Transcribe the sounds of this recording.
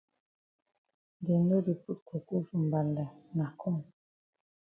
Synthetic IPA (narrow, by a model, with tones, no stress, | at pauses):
de˨m˦do˦di˨pu˦t̚ko˨ku˦fu˨m˨ba˨nda˨na˨kʰɔ˦˨n